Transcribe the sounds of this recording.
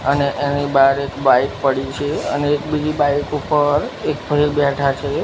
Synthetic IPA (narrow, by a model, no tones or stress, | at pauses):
əneʔenibaɾekbaik̚pəɽit͡ʃʰeəneːkbid͡ʒibajkupəɾek̚bʱəibɛʈʰat͡ʃʰe